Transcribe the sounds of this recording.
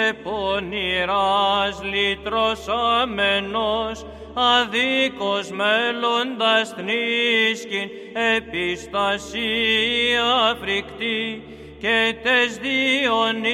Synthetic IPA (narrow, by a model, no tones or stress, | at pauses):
eponiɾɐzlit̪ɾosɐmenos | ɐðikozmelond̪ɐsθniscin | epist̪ɐsi | ɐfɾikt̪i | cet̪ezðion